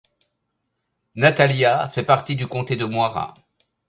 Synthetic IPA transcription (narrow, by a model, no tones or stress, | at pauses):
nat̪aljafɛpaʁt̪id̪ykɔ̃t̪ed̪əmwaʁa̰